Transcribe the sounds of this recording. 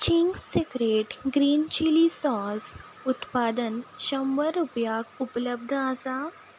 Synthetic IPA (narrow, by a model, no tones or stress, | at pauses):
t͡ɕiŋɡsekɾeʈɡɾiːnt͡ɕilisɔ̃s | ut̪pad̪ənɕə̃mʋəɾupjaɡupləb̚d̪ʱəəsa